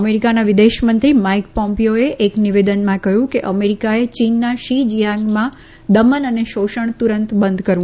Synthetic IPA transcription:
əmeɾikanaʋid̪eʃmənt̪ɾimaik̚pɔmpioeʔːkniʋed̪ənmãkəɦjũkeʔəmeɾikaet͡ʃinːaʃid͡ʒijãŋɡmã | d̪əmənəneʃoʃəɳ̃t̪uɾənt̪bənd̪kəɾũ

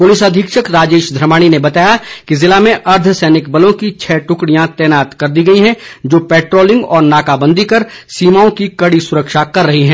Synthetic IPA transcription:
pʊlɪsəd̪ʱɪkʃəkɾaːd͡ʒeːʃd̪ʱɾɐmaːɽ̃inebɐt̪aːjakizɪlamẽʔɐɾd̪ʱʰəsɛːnɪkbɐlõkit͡ʃʰɛːʈʊkɽijãt̪ɛːnaːt̪kɐɾd̪iɡɐiɦɛ̃d͡ʒoːpɛːʈɾoːlɪ̃ŋɡɔːɾnaːkabə̃nd̪ʱikɐɾsiːmaːõkikɐɽisʊɾəkʃakɐɾːɐɦiɦɛ̃ː

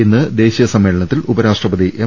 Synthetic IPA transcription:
inːɨd̪e̞ːɕijɐsɐmːe̞ːɭɐɳɐt̪ːilubɐɾaːʂʈrɐbɐd̪ðiʔe

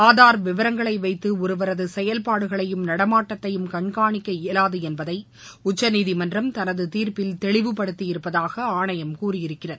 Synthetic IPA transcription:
aːðaːɾʋɪʋɐɾɐŋɡɐɭɐɪʋɐɪt̪ːɯʊɾɯʋɐɾɐðɯsɛjɐlpaːɽɯɣɐɭɐjɯmnɐɽɐmaːʈːɐt̪ːɐjɯmkɐɳkaːɳɪkːɐɪlaːðɯɛnbɐðɐɪ | ʊt͡ʃːɐniːðimɐndrɐmt̪ɐnɐðɯt̪iːɾpɪlt̪ɛɭɪʋɯpːɐɽɯt̪ːɪjɪɾɯpːɐðaːɣɐaːɳɐjɐmkuːrɪjɪɾɯkːɪrɐðɯ

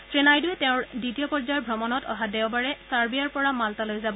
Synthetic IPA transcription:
sɹenajduɛtɛʊ̃ɹditijɔpɔɹzaɹbʱɹɔmɔnɔtɔ̰ɦadɛʊbaɹɛsaɹbijaɹpɔɹamaltalojzabɔ

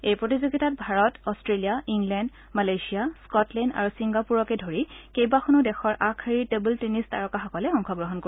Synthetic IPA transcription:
ejpɹotizoɡitat̚bʱaɹɔtɔstɹelijaiŋɡlɛnd | malajsiaskɔtlɛnda̰ɹusiŋɡapuɹɔkɛdʱoɹikejbaxɔnʊdɛxɔɹʔakʰaɹiɹtebultenista̰ɹɔkaxɔkɔlɛɔŋkʰɔɡɹɔɦɔnko

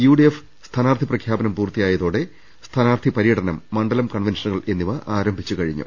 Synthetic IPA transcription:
juɖief | st̪ʰanaːrt̪ʰiprɐkʰjaːbɐnɐmpuːrt̪ijaːjɐðoːɽe̞ | st̪ʰanaːrt̪ʰipɐɾijɐʈɐnɐmːɐɳɖɐlɐmkɐɳʋenʂɐnuɣɐɭe̞nːiʋɐʔaːɾɐmbʱit͡ɕːukɐɻiɲːṵ

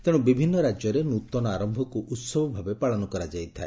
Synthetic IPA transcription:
t̪eɽ̃ubibʱinːɔɾad͡ʒjɔɾenut̪ɔnɔaɾɔmbʱɔkuʔut̪sɔbɔbʱabepaɭɔnɔkɔɾad͡ʒajt̪ʰae

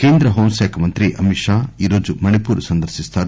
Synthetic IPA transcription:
keːnd̪ɾɐɦoːmsaːkʰɐmɐnt̪ɾiʔɐmiʃaːiːɾoːd͡ʒumɐnipuːɾusɐnd̪ɐɾsist̪aːɾ

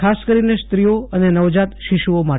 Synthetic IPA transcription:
askəɾinest̪ɾijoənenəʋd͡ʒat̪ʃiʃuoma

